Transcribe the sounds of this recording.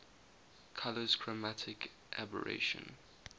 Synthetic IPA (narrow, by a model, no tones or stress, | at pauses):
kʰaləz̥kʰɹ̥əmatʰɪk | ʔabə̰ɹʔḛʃə̰̃n